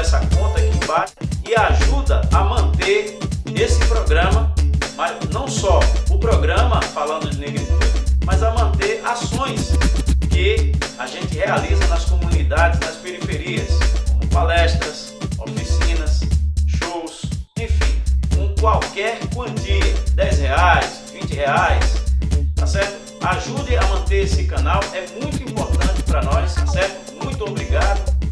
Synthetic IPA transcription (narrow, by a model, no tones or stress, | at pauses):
ɛsɐkõnt̪ɐĩd͡ʒubaʎɪaʒud̪ɐamɐ̃nt̪eɾnesɪpɾoɡɾɐ̃mɐmanɐ̃w̃sɔʊpɾoɡɾɐ̃mɐfalɐ̃nd̪ʊd͡ʒɪneɡitumɐzɐmɐ̃nt̪eɾasõj̃skɪaʒẽnt͡ʃ̪ɪhealizɐnɐskomũnid̪ad͡ʒɪznɐspeɾifeɾiɐskõmʊpalɛst̪ɾɐs | ofisĩnɐsʃowsẽfĩkõkwawkɛɾkwɐ̃d͡ʒiɐd̪ɛjsheajs | vĩt͡ʃɪheajst̪asɛɾt̪ʊ | aʒud̪ɪamɐ̃nt̪eɾesɪkɐ̃nawɛmũj̃t̪ʊĩmpoɾt̪ɐ̃nt͡ʃɪ̥pɾɐnɔst̪asɛɾt̪ʊmũj̃t̪ʊobɾiɡad̪ʊ